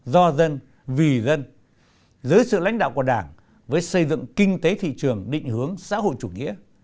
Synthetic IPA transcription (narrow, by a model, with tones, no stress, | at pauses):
zɔ˧zə˧n | vi˨˩zə˧n | zəː˨˦jsɨ̰˧˨la̰˧˥jŋ̟ɗa̰ː˧˨wku˧˩əɗaː˧˩ŋ | vəː˨˦jsə˧jzɨ̰˧˨ŋkï˧ŋ̟t̪e˨˦t̪ʰḭ˧˨t͡ɕɨ˨˩əŋɗḭ̈˧˨ŋ̟hɨ˨˦əŋsa̰ː˧˥ɦo̰˧˨jt͡ɕu˧˩ŋḭ˧˥ə